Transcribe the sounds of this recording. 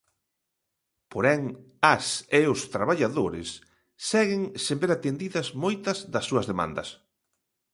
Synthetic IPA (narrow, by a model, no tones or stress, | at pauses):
poɾɛŋ | ɐseʊst̪ɾaβaʎaðoɾɪ̰sː | ɛɣɪŋsembeɾat̪end̪iðɐzmojt̪ɐzðɐsːuɐzðemã̰nd̪ɐ̰s